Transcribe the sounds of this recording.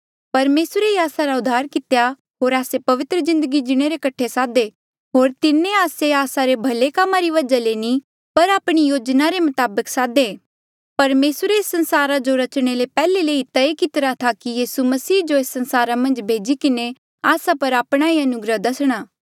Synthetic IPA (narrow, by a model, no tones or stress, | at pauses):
pɐɾmeːsɾeiaːsaɾaʊd̪ʱːaːɾkɪt̪ja | ɦoːɾaːsepɐʋɪt̪ɾəzɪ̃nd̪əɡid͡ʒɪɽ̃eɾekɐʈʰesaːd̪e | ɦoːɾt̪ɪnẽaːseaːsaɾebʱɐlekamːaɾiʋɐd͡ʒaleːni | pɐɾaːpɽ̃ijoːd͡ʒnaɾemʊt̪aːbəksaːd̪eː | pɐɾmeːsɾeeːsːɐ̃nsaːɾad͡ʒoɾɐt͡ʃɽ̃elepɛːleleːit̪aekɪt̪ɾat̪ʰakijiːsumɐsiːd͡ʒoeːsːɐ̃nsaːɾamɐ̃nd͡ʒbʱeːd͡ʒikɪne | aːsapɐɾaːpɽ̃aiɐnʊɡɾəd̪ɐsɽ̃aː